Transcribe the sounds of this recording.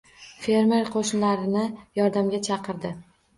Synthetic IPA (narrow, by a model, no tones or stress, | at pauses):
fe̞ɾme̞ɾqʰoʃnlaɾɪnɪjɒɾd̪amɡʲat͡ʃʰɑqɨɾd̪ɪ